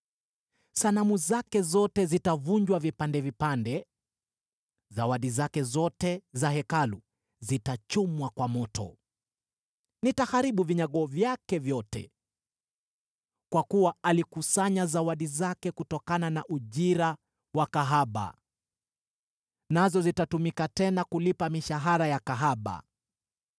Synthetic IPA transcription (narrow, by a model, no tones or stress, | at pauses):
sanamuzakɛzɔtɛzitavuɲd͡ʒwavipandɛvipandɛ | zawaɗizakɛzɔtɛzaɦɛkalu | zitat͡ʃumwakwamɔtɔ̰ | nitahaɾiɓuviɲaɠɔvjakɛvjɔtɛ̰ | kwakuwaalikusaɲazawaɗizakɛkutɔkananaʔuʄiɾa | wakaɦaɓa̰ | nazɔzitatumikatɛnakulipamiʃaɦaɾajakaɦaɓa̰